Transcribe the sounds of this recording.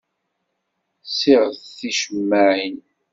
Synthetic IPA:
siʁəθθiʃəmːaʕin

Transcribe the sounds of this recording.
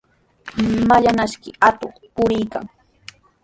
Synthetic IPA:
maʎanaʃkɪat̪oχpʊɾɪjka̰ŋ

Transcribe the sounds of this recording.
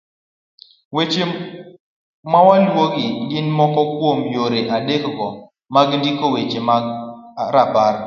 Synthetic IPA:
wet͡ʃe | mawalwoɡɪdɪnmɔkɔkwomjoɾeʔadekɡɔ | maɡndikowet͡ʃemaɾapaɾ

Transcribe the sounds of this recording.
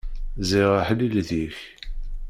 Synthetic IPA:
ziʁaħlːilðiç

